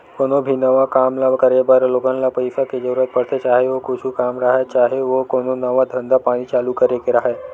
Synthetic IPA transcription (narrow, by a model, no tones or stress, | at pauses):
konobʱinəʋakamlakəɾebaɾloɡənlapəjfaked͡ʒəɾuɾət̪̚pəɽt̪et͡ʃaɦeʋokoʃʰũkamɾaɦat͡ʃaɦeʋokoñonəʋad̪ʱənd̪apaɽ̃it͡ʃalukəɾekeɾəɦe